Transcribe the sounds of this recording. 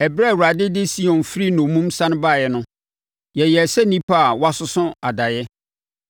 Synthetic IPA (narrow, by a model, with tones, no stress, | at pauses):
ɛ˨bɾɛ˦˨wu˨a˨dɪ˦dɪ˦si˦ɔ̃˨nfɾi˦nʊ̃˨mũ˦msã˦nʊ̃˦ba˦˨jɛ˨nʊ̃˦ | jɛ˨jɛ˨sɛ˦nĩ˦pʰa˦˨wa˦sʊ˦sʊ̃˦a˨da˨jɛ˦